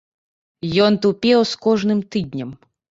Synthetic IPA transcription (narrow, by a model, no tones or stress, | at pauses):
jɔnt̪upʲɛwskɔʐnɨmt̪ɨd̪ʲnʲɐm